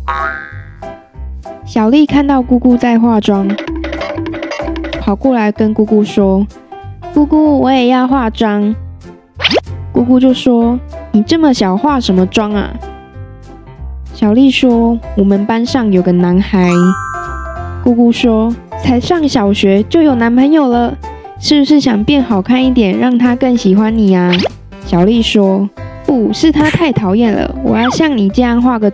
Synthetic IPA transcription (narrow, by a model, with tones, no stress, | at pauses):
ɕjɑ˨˩ʊli˥˨kʰa˥˧nt̪ɑ˥˧ʊku˥˧ku˥˧t͡sa˥˧ɪxwa˥˩ʈ͡ʂwɑ˦ŋ | pʰɑ˨˩ʊkwɔ˥˩la˧˦ɪkə˦nku˥ku˥˧ʂwɔ˥ | ku˥˧ku˥˩wɔ˨˦jɛ˨˩jɑ˥˧ʊxwa˥˩ʈ͡ʂwɑ˥ŋ | ku˥˧ku˥˧t͡ɕjo˥˩ʊʂwɔ˥ni˨˩ʈ͡ʂə˥˩˨mə˨ɕjɑ˨˩ʊxwa˥˩ʂə˨˧˦nmə˨ʈ͡ʂwɑ˥ŋɐ̰˨ | ɕjɑ˨˩ʊli˥˩ʂwɔ˥wɔ˨˩mə˨npa˦nʂɑ˥˩ŋjo˨˩ʊɡə˩na˧˦˥nxa˧˦ɪ | ku˥˧ku˥ʂwɔ˥t͡sʰa˧˥ɪʂɑ˥˩ŋɕjɑ˨˩ʊɕɥɛ˧˥t͡ɕjo˥˩ʊjo˨˩ʊna˧˥npʰə˧˦˥ŋjo˨˩ʊlə˨ | ʂɻ̩˥˩bu˧ʂ̬ɻ̩˥˩ɕjɑ˨˩ŋpjɛ˥˩nxɑ˨˩ʊkʰa˥˧ni˥˩t̪̬jɛ˨˩nɻɑ˥˩ŋt̪ʰa˥kə˥˩ŋɕi˨˩xwa˦nni˨˩a˦ | ɕjɑ˨˩ʊli˥˩ʂwɔ˥ | u˥˩ʂɻ̩˥˩t̪ʰa˥t̪ʰa˥˩ɪt̪ʰɑ˨˧˥ʊjɛ˥˩nlə̰˩wɔ̰˨˩jɑ˥˧ʊɕjɑ˥˩ŋni˨˩ʈ͡ʂɤ˥˧jɑ˥˧ŋxwa˥˩ɡə˨˩